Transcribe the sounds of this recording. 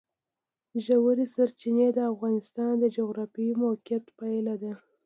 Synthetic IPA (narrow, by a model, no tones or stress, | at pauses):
ʒawaɾisaɾt͡ʃined̪əafɣɑnɪst̪ɑnd̪əd͡ʒoɣɾɑfimokjat̪pajlad̪a